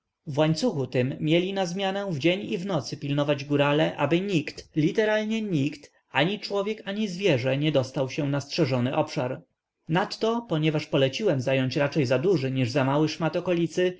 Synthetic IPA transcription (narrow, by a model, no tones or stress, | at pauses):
vwaɲt̪suxut̪ɘmːʲjɛlʲinazmʲjanɛ̃vd͡ʑɛɲivnɔt̪sɘpʲilnɔvad͡ʑɡuɾalɛʔa̰bɘɲikt̪lʲit̪ɛɾalɲɛɲikt̪ | aɲit͡ʂwɔvʲjɛkaɲizvʲjɛʐɛɲɛd̪ɔst̪awɕɛnastʂɛʐɔnɘʔɔpʂaɾ | nat̪ːɔpɔɲɛvaʂpɔlɛt͡ɕiwɛmzajɔɲt͡ɕɾat͡ʂɛjzad̪uʐɘɲiʐzamawɘʂmat̪ɔkɔlʲit̪sɘ